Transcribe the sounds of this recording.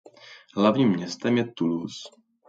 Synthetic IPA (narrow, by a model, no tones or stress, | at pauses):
ɦlavɲiːmːɲɛst̪ɛmjɛt̪ulus